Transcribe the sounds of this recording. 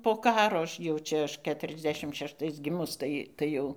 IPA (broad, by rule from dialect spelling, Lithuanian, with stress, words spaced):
poː ˈkɑːroː ˈɐʃ jɛʊ ˈt͡ʃʲɛ ˈɐʃ ˌkʲæːtʊrʲɛzʲˈdʲæːʃʲɪm ʃʲɛʃˈtɐɪs ˈɡʲɪmʊs ˈtɐɪ ˈtɐɪ jɛʊ